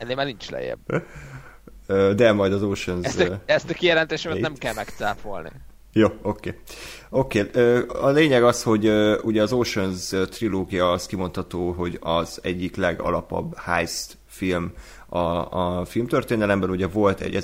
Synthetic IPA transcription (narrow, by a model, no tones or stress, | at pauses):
ɛnːeːmaːrnint͡ʃlɛ̰jɛ̰b | øːd̪ɛmɒjd̪ɒzoːʃønzsɛst̪ɒkijɛlɛnt̪eːʃɛmɛɛmkɛlmɛkt̪saːpolnḭ | joːokeːo̞keːøːɒleːɲɛɡɒsho̞ɟøuɟɛɒzoːʃønzøt̪riloːɡijɒːskimo̞nt̪hɒt̪oːɦo̞ɟɒzɛɟːiklɛɡɒ̰lɒpɒ̰bːha̰jst̪ | film | ɒfilmt̪ørt̪eːnɛlɛmbɛnuɟɛvo̞lt̪ɛ̰ɟɛ